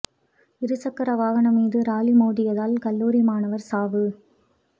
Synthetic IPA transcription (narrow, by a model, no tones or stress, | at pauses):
ɪɾɯsɐkːɐɾɐʋaːɣɐɳɐmiːðɯɾaːlimoːɽɪjɐðaːlkɐlːuːɾimaːnɐʋɐɾsaːʋɯ